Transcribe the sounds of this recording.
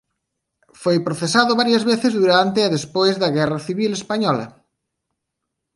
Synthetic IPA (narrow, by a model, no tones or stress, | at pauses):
fojpɾoθesaðʊβaɾjɐzβeθezðuɾant̪eɛðespojzðɐɣɛrɐθiβilespaɲɔlɐ̰